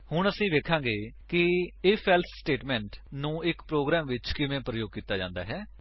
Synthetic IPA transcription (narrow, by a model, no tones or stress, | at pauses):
hʊɳəsĩːʋ̪eːkʰãːŋɡeːkɪeːpʰɛːlt̪ʰsʈeːʈmɛ̃ːɳʈnũːɪkpɾoːɡɾɛːmʋɪt͡ʃkɪʋẽːpɾəjoːɡ̚kiːt̪ːaːd͡ʒã̰ːnd̪aːɦɛː